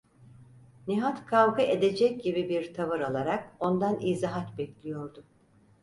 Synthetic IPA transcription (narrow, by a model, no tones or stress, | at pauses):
niɦat̪kʰavɡɯʔed̪e̞d͡ʒɛc̚ɟibibiɾt̪ʰavɯɾalˠaɾak̚o̞nd̪anizaɦat̪bɛclʲijo̞ɾd̪ʊ